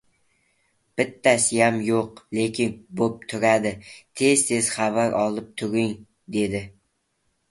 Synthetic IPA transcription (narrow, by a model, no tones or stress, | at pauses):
b̥ɪt̪ʰːasɪjamjoqlˠekʲʰɪnbop̚t̪ʰʊɾad̪ɪt̪ʰe̞zt̪ʰe̞z̥χavaɾʔɒlˠɪp̚t̪ʰʊɾɪŋ | d̪e̞d̪ɪ